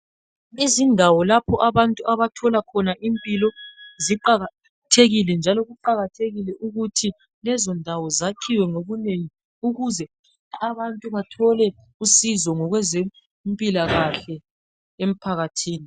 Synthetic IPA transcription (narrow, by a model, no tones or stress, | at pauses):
izindʱawɔlapʰɔʔaβantʼuaβatʰɔlakʰɔnaʔimpʼilɔziǃaa | tʰeɣilɛnd͡ʒʱalɔɣuǃaɣatʰeɣilɛʔuɣutʰi | lɛzɔndʱawɔzakʰiwɛŋoɣuneŋi | uɣuzɛ | aβantʼuβatʰɔlɛ | usizɔŋɔɣwɛze | mpʼilaɣaɬɛ | em̩pʰaɣatʰiːni